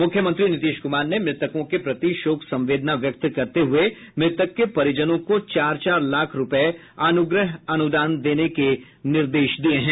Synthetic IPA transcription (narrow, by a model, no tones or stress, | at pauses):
mʊkʰjəmə̃nt̪ɾinɪt̪iːʃkʊmaːɾnemɾɪt̪əkõkepɾɐt̪iʃoːksɐ̃mʋeːd̪naʋjək̚t̪kɐɾt̪eɦʊe | mɾɪt̪əkːepɐɾɪd͡ʒənõkot͡ʃaːɾt͡ʃaːɾlaːkʰɾʊpɛe | ɐnʊɡɾəɦɐnʊd̪aːnd̪eːneke | nɪɾd̪eːʃd̪ieɦɛ̃ː